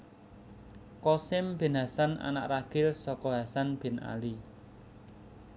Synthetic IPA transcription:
kɔsɪmb̥i̤nasana̰na̰ʔraɡ̥ɪlsɔkɔɦasanb̥ɪ̤na̰li

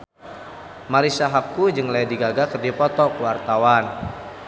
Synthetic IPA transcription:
maɾisaɦakːud͡ʒɨŋlɛdiɡaɡakərdipɔt̪ɔkuwart̪awan

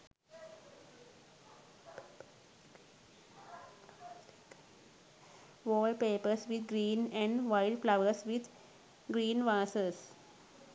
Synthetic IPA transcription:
ʋɔːlɖpeːpəɾsʋɪd̪̚ɡɾiːnɛ̃ɳɖʋaɪɖflaʋəɾsʋɪd̪ | ɡɾiːnʋaːsəs

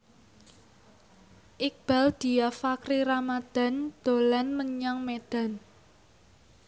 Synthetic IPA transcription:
ʔik̚b̥a̤ld̪̥i̤jafakɾiɾamad̪̥a̤nd̪̥o̤lanməɲaŋmed̪̥a̤n

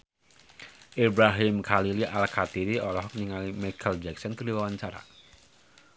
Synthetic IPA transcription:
ʔibɾaɦɪmkʰaliliʔalkʰat̪iɾiɔlɔhkniŋalimakʰald͡ʒɛk̚sɔnkərdiwawaɲt͡ʃaɾa̰

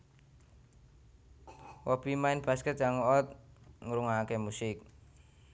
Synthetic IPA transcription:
wɔb̥imaɪnb̥askɛt̪̚jaŋɔt̪̚ŋəɾuŋakemusɪk̚

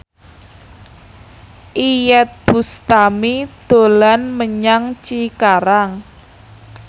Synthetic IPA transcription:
ʔijɛt̪̚b̥ṳst̪amid̪̥o̤lanməɲaŋt͡ʃikaɾaŋ

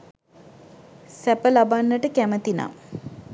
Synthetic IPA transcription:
sæpəlabanːəʈəkæmət̪ina̰

